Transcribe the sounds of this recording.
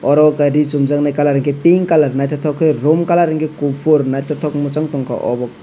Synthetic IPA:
ɔɾɔkaɾit͡ʃumzaŋnajkalaɾɯŋkipiŋkalaɾnajt̪ʰɔt̪ʰɔkʰːɯjɾɔmkalaɾɯŋɡikupʰuɾnajt̪ʰɔt̪ʰɔkmut͡ʃaŋtɔŋkʰa̰ʔɔ̰bɔk̚

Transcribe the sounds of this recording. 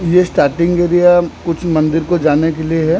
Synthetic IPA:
jesʈaːɾʈɪ̃ŋɡeːɾijakʊt͡ʃʰmɐ̃nd̪ɪɾkod͡ʒaːnekelieɦɛ

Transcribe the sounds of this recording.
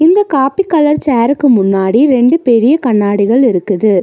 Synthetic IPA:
ɪnd̪ɐkaːpikːɐlɐɾt͡ʃaːɾɯkːɯmʊnːaːɽiɾɛɳɖɯpɛɾɪjɐkɐɳːaːɽɪɣɐɭɪɾɯkːɯðɯ

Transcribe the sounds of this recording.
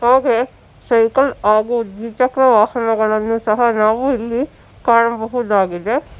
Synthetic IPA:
ɦaːɡe | sɐjkɐlaːɡud̪it͡ʃɐkɾɐʋaːhɐnɐɡɐɭɐnːũsɐɦɐnaːʋuɪlːi | kaːɾɐmbɐɦud̪aːɡid̪e

